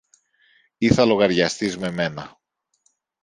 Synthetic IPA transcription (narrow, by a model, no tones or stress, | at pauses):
iθɐlo̞ɣɐɾʝɐst̪izme̞me̞nɐ